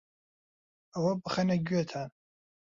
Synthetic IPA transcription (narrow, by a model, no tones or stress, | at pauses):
awabχanaɡʲɥatʰa